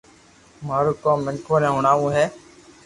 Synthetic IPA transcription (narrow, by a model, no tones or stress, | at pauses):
maːɾuːkõːmːɪnkʰoːɾẽːɦʊɳaːʋũːɦɛː